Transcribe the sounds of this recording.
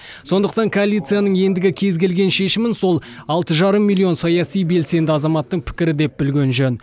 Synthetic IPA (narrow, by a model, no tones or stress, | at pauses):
so̞nd̪əq̚t̪ɑŋkʰoalʲijt̪sɨjanəɴje̞nd̪ɪɡʲɪkʲʰe̞zɡʲe̞lɡʲe̞nʃe̞ʃɪmɪnso̞lˠɑlˠt̪əʒɑɾəmːilʲːio̞nsɑjɑsijbe̞lse̞nd̪ɪɑzɑmɑt̪ːəɴpʰɪ̥kʲɪɾɪd̪e̞p̚bɪlɡʲe̞nʒøn